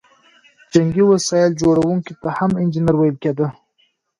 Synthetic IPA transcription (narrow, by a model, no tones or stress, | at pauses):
d͡ʒaŋɡiwasɑɪld͡ʒoɽawuŋkit̪ahamɪnd͡ʒɪnaɾwajəlked̪ə